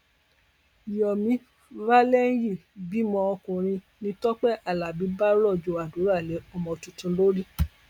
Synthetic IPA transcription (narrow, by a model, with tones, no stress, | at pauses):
jɔ˨mĩ˨˦ | va˦lɛ˦n̩˦ji˦˨bi˨˦mɔ̃˧ɔ˧kũ˨ɾ̃ĩ˧ | nĩ˧tɔ˦k͡pɛ˦ʔa˦˨la˨bi˨˦ba˦ɾɔ˦˨d͡ʒo˨a˨du˨˦ɾa˦˨lɛ˨˦ɔ˦˨mɔ̃˧˨tũ˧tũ˧˦lo˦ɾi˦